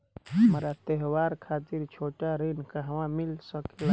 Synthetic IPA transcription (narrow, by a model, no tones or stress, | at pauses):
ɦmɾat̪eɦwaːɾkʰaːt̪ɪɾt͡ʃʰoːʈaɾenkaɦɐmãmɪlsəke